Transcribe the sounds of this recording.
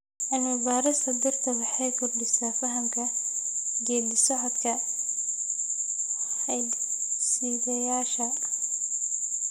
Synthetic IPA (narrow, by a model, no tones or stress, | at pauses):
ʔɐnɪbaːɾɪst̪ʰɐd̪ɐrt̪ʰɐwɐħɑjkʰɔrdɪsafɐɦɐmkʰɐ | ɡɛːd̪ɪsɔħɐd̪kʰɐ | hɛjd̪siːðɐjaːʃɐ